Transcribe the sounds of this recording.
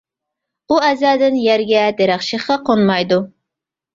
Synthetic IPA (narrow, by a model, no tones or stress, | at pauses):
uɛzɛːd̪ɪnjæɾɡʲɛd̪eɾæχʃəχqɑqʰonmɑjd̪u